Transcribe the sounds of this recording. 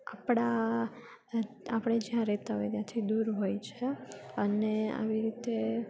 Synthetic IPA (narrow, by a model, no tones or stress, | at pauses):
apɽ̃a | apɽ̃ed͡ʒjãɾet̪aɦojt̪jãt̪ʰid̪uɾɦojt͡ʃʰeənea̰ʋiɾit̪e